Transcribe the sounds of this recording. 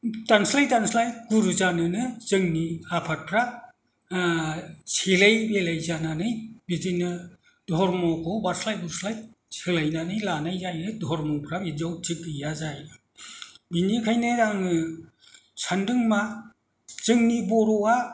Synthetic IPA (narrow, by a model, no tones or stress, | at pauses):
tanslajtanslajɡuɾuzanɯnɯzɯŋniapʰat̚pʰɾa | selajbelajzananɯjbizinɯ | dɔɾmɔkʰɔbaɾslajbuɾslaj | selajnanɯjlanajzajɯdɔɾmɔpʰɾabid͡ʒawtʰik̚ɯjazaj | binikʰajnɯɾaŋɯ | sandɯŋma | z̥ɯŋnibɔɾɔwa